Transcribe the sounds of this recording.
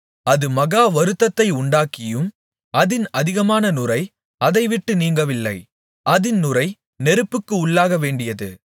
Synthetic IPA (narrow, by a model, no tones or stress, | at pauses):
ɐðɯmɐɣaːʋɐɾɯt̪ːɐt̪ːɐɪʊɳɖaːkɪjɯm | ʔɐðɪnɐðɪɣɐmaːnɐnʊɾɐɪ | ɐðɐɪʋɪʈːɯniːŋɡɐʋɪlːɐ̰ɪ | ʔɐðɪnnʊrɐɪ | nɛɾɯpːɯkːɯʊɭːaːɣɐʋeːɳɖɪjɐðɯ̰